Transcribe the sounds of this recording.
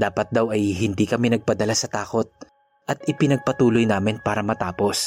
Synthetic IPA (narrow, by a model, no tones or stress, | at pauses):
d̪aːpɐt̪̚d̪awɐjɦɪnd̪iːkɐmɛnɐɡ̚pɐd̪ɐlasɐt̪aːko̞t̪̚ | ʔɐt̪ʔɪpɪnɐɡ̚pɐt̪uːlojnaːmɪnpaːɾɐmɐt̪aːpo̞s